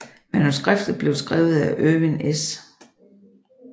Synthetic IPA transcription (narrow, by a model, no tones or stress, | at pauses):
mænusɡ̥ʁafd̥ð̩ˠb̥le̝ʊsɡ̥ʁɛ̰ːʊð̩ˠæʔøʋenes